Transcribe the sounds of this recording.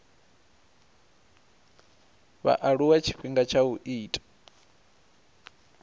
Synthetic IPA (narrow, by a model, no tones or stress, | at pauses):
βa̰ʔaɺuwat͡ʃʰi̥ɸiŋɡat͡ʃʰauʔiːtʼḁ